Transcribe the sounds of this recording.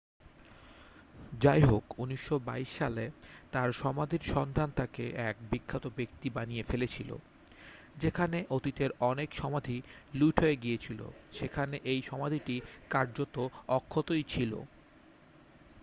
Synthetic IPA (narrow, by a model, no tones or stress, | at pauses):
d͡ʑajɦokuniʃːobaiʃːalet̪aɾʃɔmad̪ʱiɾʃɔnd̪ʱant̪akḛʔɛk̚bikʰːat̪obek̚t̪ibanijefelet͡ɕʰilo̰ | d͡ʑekʰaneʔot̪it̪eɾɔnekʃɔmad̪ʱiluʈʰɦoeɡijet͡ɕʰilo̰ʃekʰaneʔejʃɔmad̪ʱiʈikaɾd͡ʑot̪oɔkʰːot̪ojt͡ɕʰilo̰